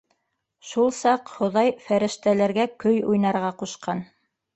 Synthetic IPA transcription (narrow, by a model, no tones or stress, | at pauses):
ʃulˠsɑqχŏðɑjfæɾɘ̆ʃt̪ælæɾɡækɵjujnɑɾʁɑquʃqɑn